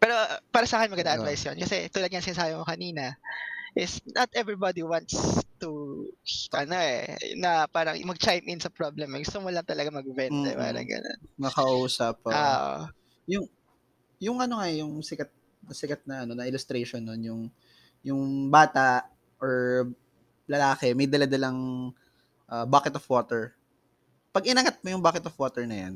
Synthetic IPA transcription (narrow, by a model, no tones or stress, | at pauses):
pɛːɾo̞paːɾɐsaːkɛnmɐɡɐd̪aːʔɐvajsjonkɐsɛt̪uːlɐd̪ɲɐŋsɪnsaːbɪmokɐniːnɐʔɪsnʔɐt̪ʔɛvɹibad̪iwant̪st̪u | ʔɐno̞ʔɛ̰nɐpaːɾɐ̰ŋmɐɡ̚t͡ʃajmʔɪnsɐpɾoblɛmɡʊst̪omʊlɐŋt̪ɐlɐɡamɐɡvɛnd̪ɛ̰pa̰ːɾɐ̰ŋɡɐ̰no̰nmɐkɐuːsɐp̚oʔo̰ | jʊŋ | jʊŋʔɐno̞ŋajʊŋsɪkɐt̪̚ | nɐsɪkɐt̪̚nɐʔɐno̞nɐʔɪlʊst̪ɾejʃonːonjʊŋ | jʊŋbaːt̪aʔʔ | ʔoɹ | lɐlaːkɛmɐjd̪ɐlad̪ɐlɐŋ | ʔaːbaːkɛt̪ofwoːt̪ɛɹ | pɐɡɪnɐŋat̪̚mojʊŋbaːkɛt̪ofwoːt̪ɛɹnɐjan